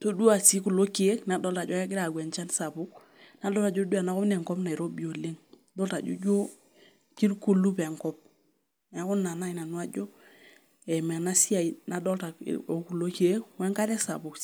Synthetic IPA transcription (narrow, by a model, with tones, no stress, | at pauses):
to˦du˦a˨si˦ku˨lo˦ki˦e˦kna˨dɔ˦lta˨d͡ʒɔ˦kɛ˦k̬ɪ˦ɾa˨ɡwɛ˨nt͡ʃa˦nsa˨pʊ˦k̚ | na˨˦dɔ˦lta˨d͡ʒo˦du˦a˨na˦kɔ˦mnɛ˨ŋkɔ˦pna˨i˨ɾo˦bi˨o˨le˦ŋ | dɔ˦lta˨d͡ʒṵ˦d͡ʒo˦ | ki˦ɾku˦lu˦pɛ˨ŋkɔ˦p̚ | a˨˦ku˦nːa˨na˦i˨na˨nu˦a˦d͡ʒɔ˦ | ɛ˨mɛ˨na˦si˦a˨i˨na˨dɔ˦lta̰˨o˨ku˨lo˦ki˦e˦wɛ˦ŋka˦nɛ˦sa̰˨pu˨k